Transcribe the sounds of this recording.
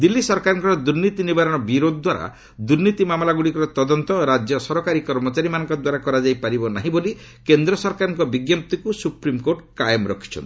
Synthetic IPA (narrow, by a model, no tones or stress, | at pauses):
d̪ilːisɔɾkaɾɔŋkɔɾɔd̪uɾnit̪inibaɾɔɽ̃ɔbiɾod̪ɔd̪waɾa̰ | d̪uɾnit̪imamlaɡuɽikɔɾɔt̪ɔd̪ɔnt̪ɔɾad͡ʒjɔsɔɾɔkaɾikɔɾmɔt͡ʃaɾimanɔŋkɔd̪waɾakɔɾad͡ʒajpaɾibɔnaɦĩbolikend̪ɾɔsɔɾkaɾɔŋkɔbiɡjɔp̚t̪ikusupɾimkoʈkajɔmɾɔ̰kʰi̥t͡ʃʰɔ̰nt̪